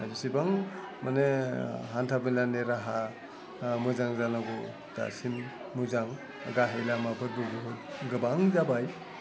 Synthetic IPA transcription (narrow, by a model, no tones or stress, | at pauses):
a̰zusibaŋ | maneɦantʰabilaneɾaɦa | mɯzaŋzanaɡɔ | d̥a̰sin | muzaŋ | a̰ɡaɦelamabʰɯt̚buɡuɦut̚ɡɯbaŋzabaj